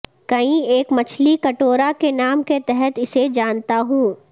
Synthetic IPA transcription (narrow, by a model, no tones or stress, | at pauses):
kɐĩeːkmɐt͡ʃʰlikɐʈoːɾakenaːmket̪ɛɦɛt̪ɪsed͡ʒaːnt̪aɦũː